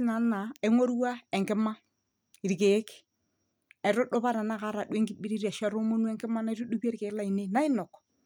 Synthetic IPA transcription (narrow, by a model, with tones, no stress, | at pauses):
na˨na˨ɛ˦ŋo˦ɾwa˦ɛ˨ŋɡɪ˦ma˦ | i˨ɾke˨˦k | ɛ˨ɾʊ˦ɗʊ˦βa˦ɾa˨na˦ka˦ɾa˨dwe˦ŋɡi˨bi˦ɾi˦ɾa˨ʃa˦ɾo˦mo˦nu˦ɛ˨ŋɡɪ˦ma˦na˨i˦ɾu˦ɗu˦ba˦ɾke˨˦la˦˨i˨ne˦na˦ɪ˦nɔ˨k